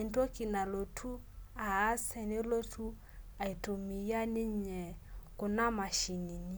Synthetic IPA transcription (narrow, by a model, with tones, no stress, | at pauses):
ɛ˨ntɔ˦ki˨na˨lo˨tʰu˦ | aː˨˦sɛ˨ne˦lo˦tʰu˦ | a˨i˨to˨mi˨ja˦nɪ˦ɲɛ˨kʊ˨na˦ma˨ʃi˨ni˨ni˦